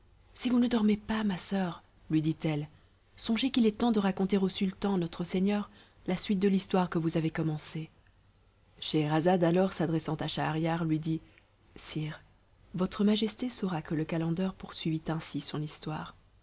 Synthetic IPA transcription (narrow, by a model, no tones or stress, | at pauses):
sivunəd̪ɔʁmepamasœːʁ | lɥid̪it̪ɛl | sɔ̃ʒekilɛt̪ɑ̃d̪əʁakɔ̃t̪eʁosylt̪ɑ̃nɔt̪χəsɛɲœʁ | lasɥit̪̚d̪əlist̪waʁkəvuzavekɔmɑ̃se | ʃeʁazad̪alɔʁsad̪ʁɛsɑ̃t̪aʃaːʁjaʁlɥid̪i | siːʁ | vɔt̪χəmaʒɛst̪esoʁakələkalɑ̃d̪œʁpuʁsɥivit̪ɛ̃sisɔ̃nist̪waːʁ